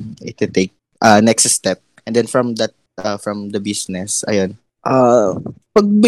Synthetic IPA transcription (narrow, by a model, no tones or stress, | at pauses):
ɪt̪ʊt̪eɪk̚ | ʔanɛkstst̪ɛp̚ʔɛ̃nd̪ɛ̃nfɹɔ̃md̪ɐt̪̚ | ʔafɹɐ̃md̪ɐbisnɛsʔɐ̰jon | ʔa | pɐɡ̚bɪ